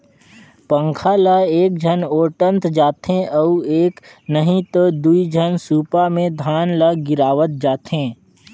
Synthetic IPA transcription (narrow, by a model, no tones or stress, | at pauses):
pə̃ŋkʰalaeːk̚d͡ʒʱənoːʈə̃nt̪d͡ʒaːt̪ɦẽʔɔueːknəɦĩt̪od̪uid͡ʒʱənsuːpamẽd̪ʱaːnləɡɪɾaːʋət̪̚d͡ʒaːt̪ɦẽː